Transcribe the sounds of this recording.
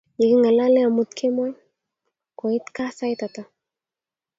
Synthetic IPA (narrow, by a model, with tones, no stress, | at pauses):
ji˨ki˦ŋa˨la˦lɛ˦a˨mut̪kʰe˦mɔ˦j | ko˨it̪ka˦sa˦jt̪at̪a